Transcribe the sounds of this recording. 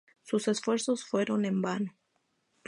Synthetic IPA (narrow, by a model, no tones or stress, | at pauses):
suse̞sfwe̞ɾso̞sfwe̞ɾo̞ne̞mbano